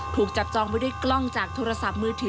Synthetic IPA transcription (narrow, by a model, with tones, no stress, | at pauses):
t̪ʰuː˨˩k̚t͡ɕa˨˩p̚t͡ɕɔː˧ŋpa˥˩jdu˥˩jklɔ˥˩ŋt͡ɕaː˨˩k̚t̪ʰoː˧ɾa˧sa˨˩p̚mɯː˧˩t̪ʰi˧